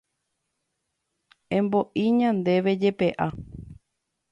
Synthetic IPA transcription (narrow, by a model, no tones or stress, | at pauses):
ẽ̞mbo̞ʔĩɲãnd̪e̞ʋe̞d͡ʒe̞pe̞ʔa